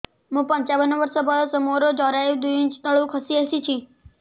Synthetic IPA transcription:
ɦũpə̃ɲt͡ʃaʋənoʋəɾsobalosəmoɾod͡ʒɔɾajũd̪uĩt͡ʃt̪əɭũkʰəsiesit͡ʃʰĩ

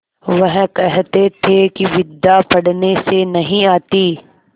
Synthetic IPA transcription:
ʋɐɦkɛɦt̪et̪ʰekiʋɪd̪ːapɐɽnesenɐɦĩaːt̪iː

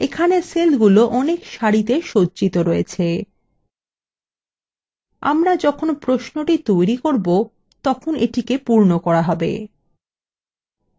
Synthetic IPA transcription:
ekʰaneselɡuloʔɔnekʃaɾit̪eʃod͡ʑd͡ʑit̪oɾɔjet͡ɕʰe | a̰mɾad͡ʑɔkʰonpɾosnoʈit̪ojɾikoɾbo | t̪ɔkʰoneʈikepuɾnokɔɾaɦɔbḛ

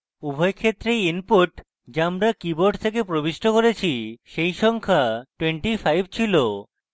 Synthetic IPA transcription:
ubʱɔjkʰet̪ːɾejinpuʈ | d͡ʑeamɾakiboɾɖt̪ʰek̬epɾobiʃʈʰokoɾet͡ɕʰiʃejʃɔŋkʰaʈweɳʈifajb̚ʱt͡ɕʰilo

